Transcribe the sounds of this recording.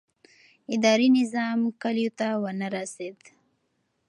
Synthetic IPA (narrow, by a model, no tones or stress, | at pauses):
ɪd̪ɑɾinɪzɑmkaljot̪awənaɾased̪